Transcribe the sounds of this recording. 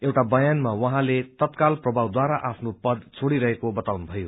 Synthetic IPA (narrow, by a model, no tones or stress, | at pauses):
ewʈabʌjanmawʌɦãlet̪ʌt̪kalprʌbʱawd̪waɾaʔapʰnopʌd̪t͡sʰoɽiɾʌɦekobʌt̪awnubʱʌjo